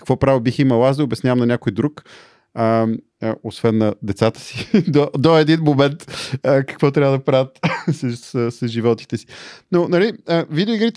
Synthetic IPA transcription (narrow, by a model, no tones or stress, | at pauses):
kə̥kvɔpɾavilˠbiximəlˠazd̪əobɛsnʲavəmnɐnʲakojd̪ɾuk | ə | əosvɛnːɐd̪ɛt̪sat̪ə̥si̥d̪od̪oɛd̪inmomɛnt̪əkə̥kvɔt̪ɾʲavəd̪ɐpɾavət̪sɐsəsəsʒivɔt̪i̥t̪ɛsi̥nonɐliəvid̪ɛoiɡɾit̪